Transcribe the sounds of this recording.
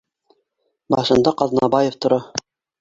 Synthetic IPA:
bɑʃɤ̆nd̪ɑqɑðnɑbɑjeft̪ŏɾɑ

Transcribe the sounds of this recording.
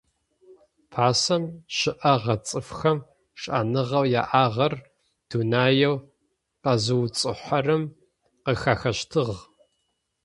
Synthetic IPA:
pʰaːsɐmʃɪʔɐʁɐt͡sʼɨfxɐm | ʂʼa̰ːnɨʁɐwja̰ːʔaːʁɐr | d̥unaːjɐw | qɐzɨwt͡sʼɨħʷɐrɨm | qəxaːxɐɕtʰɨʁ

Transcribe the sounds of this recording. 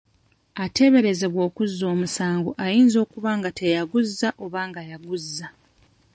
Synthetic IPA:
ate̞βe̞ɾe̞ze̞βwo̞ːkuzːo̞ːmusaːŋɡoʔajiːnzo̞ːkuβaːŋɡatʰe̞jaɡuzːaʔo̞βaːŋɡajaɡuzːa

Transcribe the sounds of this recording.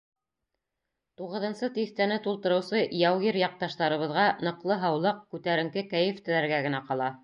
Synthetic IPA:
t̪uʁɤ̆ðɤ̆nsɤt̪iθt̪ænɘt̪ulˠt̪ɤ̆ɾɤ̆wsɤjɑwɣiɾjɑq̚t̪ɑʃt̪ɑɾɤ̆βɤ̆ðʁɑnɤ̆qlˠɤɦɑwlˠɑq̚kʉt̪æɾɘ̆ŋkɘkæjɘ̆ft̪ɘ̆læɾɡæɡɘ̆næqɑlˠɑ

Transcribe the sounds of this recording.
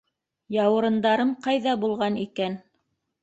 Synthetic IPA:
jɑwɤ̆ɾɤ̆nd̪ɑɾɤmqɑjðɑbulˠʁɑnikæn

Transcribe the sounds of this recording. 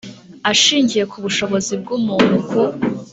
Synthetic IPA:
aʃiːɲɟije̞kʰuβuʃo̞βo̞zib̚ɡumunukʰuɾ

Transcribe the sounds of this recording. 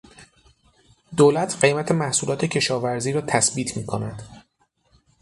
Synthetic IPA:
d̪oːlæt̪ʰɢe̞jmæt̪ʰe̞mæhsuːlɒːt̪ʰe̞cʰe̞ʃɒːvæɾziːɾɒːt̪ʰæsbiːt̪ʰmiːkʰonæd̪̥

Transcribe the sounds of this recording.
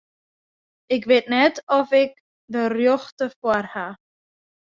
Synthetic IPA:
ɪkʋetnɛtɔfɪk̚ | dərjɔχtəfwarha

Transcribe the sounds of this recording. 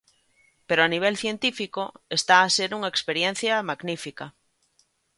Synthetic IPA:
peɾoaniβ̞elθje̞nt̪ifikoest̪aːseɾuŋaekspeɾjẽn̟θjamaɡnifika

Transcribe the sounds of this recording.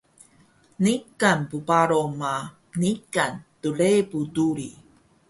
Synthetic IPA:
nikanpupaɾoma | nikantuɭepuduɾi

